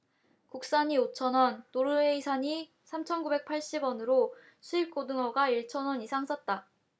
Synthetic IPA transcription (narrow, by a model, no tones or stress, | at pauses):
kuk̚s͈aɲiot͡ɕʰʌnwʌnːoɾɯe̞isʰaɲi | sʰamt͡ɕʰʌnɡube̞k̚pʰaɭɕ͈ibwʌnɯɾo | sʰuip̚k͈odɯŋʌɡaiɭt͡ɕʰʌnwʌnisʰaŋs͈ʌt̚t͈a